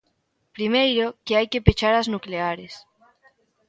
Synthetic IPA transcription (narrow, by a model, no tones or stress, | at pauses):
pɾimejɾokeajkepet͡ʃaɾaznukleaɾes